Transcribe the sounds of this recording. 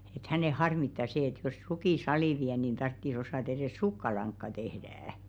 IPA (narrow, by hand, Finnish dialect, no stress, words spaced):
et hæneˑ hɑrmitːɑ seː et jos rukiˑ sɑliˑ ʋiæ niˑn tɑrtːis osɑˑt ereˑs sukːɑlɑŋkːɑ tehdææ̆